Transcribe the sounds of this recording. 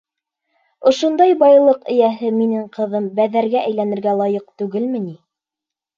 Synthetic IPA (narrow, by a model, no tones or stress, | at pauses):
ŏʃŏnd̪ɑjbɑjlˠɤqɘ̆jæɦɘminɘɴqɤ̆ðɤmbæðæɾɡæʔæjlænɘ̆ɾɡælˠɑjɤq̚t̪ʉɡɘlmɘ̆ni